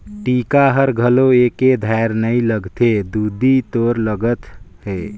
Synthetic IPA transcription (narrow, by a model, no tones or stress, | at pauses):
ʈikaɦəɾɡʱəloeked̪ʱaɾnəiləɡt̪ed̪ud̪ʱit̪oɾləɡət̪ɦe